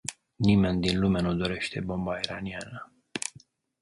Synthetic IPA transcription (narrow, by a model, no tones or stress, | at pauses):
nime̞nd̪inlumanud̪o̞ɾe̞ʃt̪e̞bo̞mbaiɾanianə